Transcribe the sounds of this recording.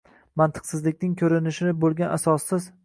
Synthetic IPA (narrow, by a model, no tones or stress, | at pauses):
mant̪ʰɨ̥qsɪzlɪkʲnɪŋkʲʰɵɾɪnɪʃɪnɪbolˠɡʲanʔasɒsːɪz